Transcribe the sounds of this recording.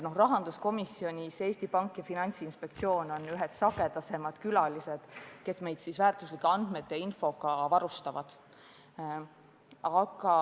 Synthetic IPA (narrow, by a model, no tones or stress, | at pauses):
no̞hrɑɦɑnd̪̥usko̞misːio̞nʲiseːst̪ipɑŋkːˑjɑfinɑnʲt̪siinspek̚t̪sio̞ːno̞nyɦɛt̪sɑɡe̞d̪ɑse̞mɑd̪̥kylɑlise̞d̪̥ke̞sme̞jd̪̥sisvæːrt̪ˑuslikːˑeɑnd̪̥me̞t̪ːˑeinfo̞ɡɑvɑɾust̪ɑvɑ̰d̪̥ | ɑkɑ